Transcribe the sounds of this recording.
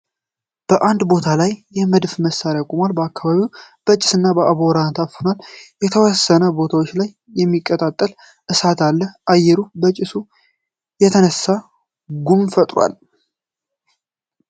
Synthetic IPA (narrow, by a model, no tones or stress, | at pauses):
b̥əʔand̪bo̞t̪ʰalajːɛməd̪fməsːaɾjakʼumalbəakːaβaβiwb̥ət͡ʃʼɪ̥sɨnːabəʔaβoɾant̪ʰafonaljɛt̪ʰəwɔsːənəbo̞t̪ʰawo̞t͡ʃːlajːɛmːikʼːət̪ʼat̪ʼːəl | ʔɨsat̪ʰalːəʔajːɛɾubət͡ʃʼɪsu | jɛt̪ʰənəsːa | ɡumfət̪ʼɾwa̰l